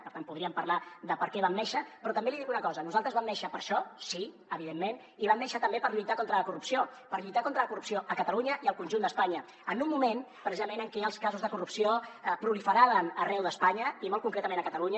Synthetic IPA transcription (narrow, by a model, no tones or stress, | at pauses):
pəɾt̪ampuðɾiəmpəɾlaðəpəɾkɛβamnɛʃəpɾɔt̪əmbeliðikunəkɔzənuzalˠt̪ɾəzβamnɛʃəpəɾʃɔsi | əβiðemːen | iβamnɛʃət̪əmbepəɾʎujt̪akont̪ɾələkurupsiopəɾʎujt̪akont̪ɾələkurupsioʔəkət̪əluɲəʔiəlˠkunʒund̪əspaɲə | ənumːumen | pɾəzizəmenəŋkɛəlˠskazuzðəkurupsiopɾulifəɾaβənərɛwðəspaɲəimolˠkuŋkɾɛt̪əmenəkət̪əluɲə